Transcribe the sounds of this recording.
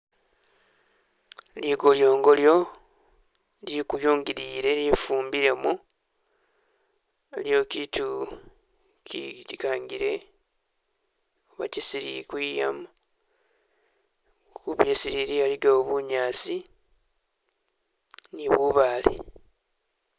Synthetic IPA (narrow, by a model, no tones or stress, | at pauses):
liɡoljo̞ːŋɡo̞ljo̞ | likujuːŋɡiɾiːɾe̞lifuːmbiɾe̞mu | eljo̞ːkiːtu | kḭikaːŋɡiɾe̞ | oβa̰cisiɾḭkwiːja̰mu | kuβjeːsiɾiɾialiɡoβuɲaːsi | niβuβaːlḛ